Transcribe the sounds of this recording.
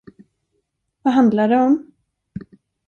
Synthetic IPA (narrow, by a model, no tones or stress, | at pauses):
vaɦand̪laɖɛɔm